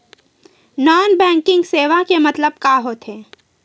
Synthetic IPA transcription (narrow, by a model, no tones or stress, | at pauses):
naːnbɛ̃ːŋkɪ̃ŋɡseːʋakemɐt̪ləb̚kaːɦoːt̪ɦɛː